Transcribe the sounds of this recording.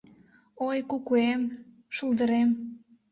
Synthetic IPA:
ojkukuem | ʃuld̪əɾem

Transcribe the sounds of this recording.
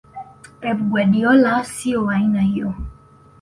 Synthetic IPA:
ɛbɡwɛdiɔlasioaɲĩnãiɔ

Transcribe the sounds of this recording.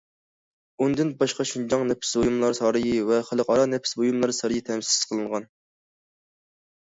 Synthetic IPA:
und̪ɪnbɑʃqɑʃund͡ʒɑŋnɛpʰɪ̥sbojumlˠɑɾsɑːɾɨjivɛχælˠəqɑɾɑnɛpʰɪ̥sbojumlˠɑɾsɑɾɨjit̪ʰɛmssɪ̥z̥qʰəlˠɨɴʁɑn

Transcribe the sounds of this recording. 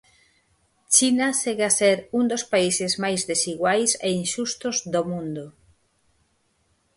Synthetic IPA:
t͡ʃinaseɣaseɾund̪ospaisezmajzðesiɣwajseinʃust̪ozðomũnd̪o

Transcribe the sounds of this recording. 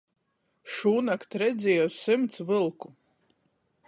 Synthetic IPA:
ʃuːnakt̪ɾɛd̪zʲijɔsːɨmt̪svɨlˠku

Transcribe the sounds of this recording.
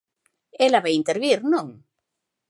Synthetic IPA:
elaβajint̪eɾβiɾnõŋ

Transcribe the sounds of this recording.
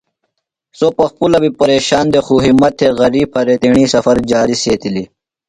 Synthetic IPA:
sopɐxpulɐbipɐɾeːɕaːnd̪exuːɦimɐt̪ʰːeɣɐɾiːb̚ʰɐɾet̪iɳiːsɐfɐɾd͡ʑaːɾiseːt̪ili

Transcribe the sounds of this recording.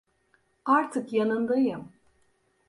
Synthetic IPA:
aɾt̪ʰɯkjanɯnd̪ajɯm

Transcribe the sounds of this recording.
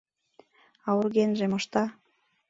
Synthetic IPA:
ɑurɣenʒemŏʃt̪ɑ

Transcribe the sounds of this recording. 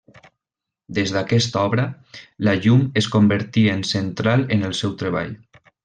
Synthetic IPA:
d̪ezðakɛst̪ɔβɾə | laʎumeskombəɾt̪iəensent̪ɾalˠenəlˠsɛwt̪ɾeβa̰ʎ

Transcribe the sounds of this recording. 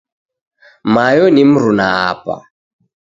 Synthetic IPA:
majɔnim̩ɾunaa̰pa̰

